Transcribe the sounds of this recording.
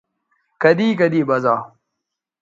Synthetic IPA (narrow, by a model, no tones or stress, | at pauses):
kɐd̪iːkɐd̪iːbɐzaː